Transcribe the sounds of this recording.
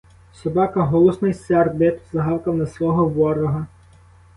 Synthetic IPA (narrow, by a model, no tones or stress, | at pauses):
sʲɔbɑkɐɦɔlˠɔsnɔjsɛrbɪt̪ʊzɐɦɑwkɐmnɐslˠɔɦɔʋɔɾɔɦɐ